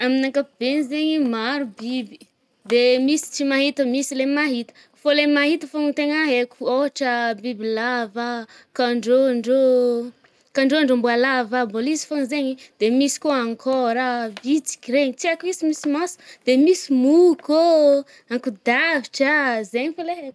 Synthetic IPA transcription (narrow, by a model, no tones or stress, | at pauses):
aminaŋkab̥enzeɲimaɾubibi̥ | d̪emisi̥t͡ʃimaɦit̪əmisilemaɦit̪ə̥ | folemaɦit̪əfoŋit̪eŋaɦekuoaʈ͡ʂəbibilava | kaɳɖ͡ʐoɳɖ͡ʐo | kaɳɖ͡ʐoaɳɖ͡ʐombualavambolizi̥foŋzeɲid̪emisi̥koaŋkʰɔɾavit͡si̥kiɾeɲit͡siakuizimisimasu̥d̪̥emisimuko | aŋkud̪avi̥ʈ͡ʂazeɲifoleɦek